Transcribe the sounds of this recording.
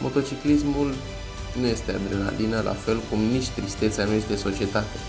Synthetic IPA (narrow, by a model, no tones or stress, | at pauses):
mʔo̞t̪o̞t͡ʃiklismul | nuje̞st̪ead̪ɾena̰lʔinəlʔa̰fe̞lkumnit͡ʃʲt̪ɾist̪e̞t̪seanuje̞st̪eso̞t͡ʃie̞t̪at̪e̞